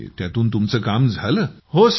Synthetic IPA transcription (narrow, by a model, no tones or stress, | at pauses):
t̪jat̪uːnt̪umt͡səːkamd͡zʱaləːhos